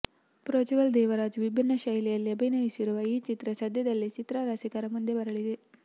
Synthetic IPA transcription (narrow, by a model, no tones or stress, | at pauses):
pɾoːt͡ʃiʋɐld̪ɛːʋɐɾaːd͡ʒʋibʱinːɐʃɐjlɛjɐlːiɐbʱɐnɐjisiɾuʋɐiːt͡ʃit̪ɾɐsɐd̪ʱjɐd̪ɐlːit͡ʃit̪ɾaɾɐsikɐɾɐmund̪ebɐɾɐɭid̪e